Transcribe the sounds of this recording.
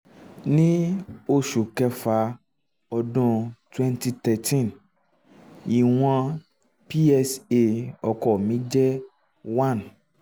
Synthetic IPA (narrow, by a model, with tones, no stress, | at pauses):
nĩ˦o˦ʃu˨kɛ˧fa˧ | ɔ˧dɔ̃˦twɛ̃˦nti˧t̪ɛ˨tʰĩ˦˨n | ji˨w̃ã˧ | pi˦ɛ˦se˨ɔ˧kɔ˨mĩ˨˦d͡ʒɛ˦ | wã˦˨n